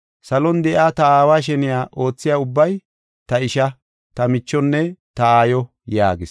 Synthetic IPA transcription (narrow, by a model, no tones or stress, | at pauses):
sɐlɔnd̪ɛʔaːt̪ɐaːwaːʃ̬ɛnɪjaːʔo̞ːt͡sːɪjaːʊbːɐj | t̪ɐɪʃɐ | t̪ɐmɪt͡ʃːɔnːɛt̪ɐaːjɔ | jaːɡɪs